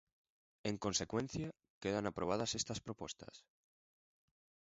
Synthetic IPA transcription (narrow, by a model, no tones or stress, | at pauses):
eŋko̞nsekwẽn̟θja | keðanapɾoβ̞aðasest̪aspɾopost̪a̰s